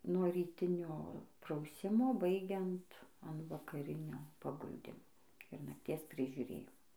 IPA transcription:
nuɔ rʲiːˈtʲɪnʲoː prɐʊˈsʲɪmoː ˈbɐɪɡʲɛnt ɐn ʋɐkɐˈrʲɪnʲoː pɐˈɡʊlʲdʲɪmoː ɪr nɐktʲiɛs pʲrʲɪʒʲʊˈrʲeːjɪmoː

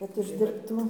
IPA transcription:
kɐt ʊʒʲdʲɪrpˈtuː

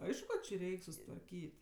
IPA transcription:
ˈɐɪʃkʊ kɐ t͡ʃʲɪ ˈrʲɛɪkʲ sʊsʲɪtʋɐrʲˈkʲiːtʲ

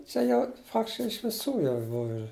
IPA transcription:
ˈt͡ʃʲɛ jɛʊ t͡ʃʲɛ ɪʃ ʋʲɪˈsuː ˈjɛʊ ˈbʊw ɪr

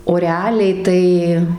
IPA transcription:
oː rʲɛˈɑːlʲɛɪ tɐɪ

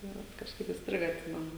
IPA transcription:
tɐɪ ˈʋɐt kɐʃˈkɐɪp iːsʲˈtʲrʲɪɡɐ ɐtʲˈsʲɪmʲɛnʊ

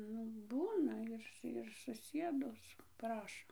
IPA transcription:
ˈnʊ ˈbuːnɐ ɪr ɪr sʊˈsʲiɛdʊs ˈprɑːʃoː

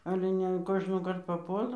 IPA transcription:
ˈɑːlʲɛ nʲɛ ɐn ˈkoːʒnoːkɐrt pɐˈpuɔlˠɐ

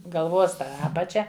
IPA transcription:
ɡɐlˠˈʋoːs ˈɑːpɐt͡ʃʲɛ

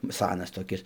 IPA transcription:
ˈsɑːnɐs toːˈkʲɪs

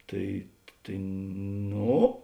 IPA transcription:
ˈtɐɪ tɐɪ ˈnoː

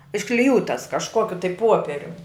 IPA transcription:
ɪʃklʲɪˈjuːtɐs kɐʃˈkoːkʲʊ tɐɪ ˈpuɔpʲɛrʲʊm

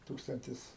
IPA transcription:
ˈtuːkstɐnʲtʲɪs

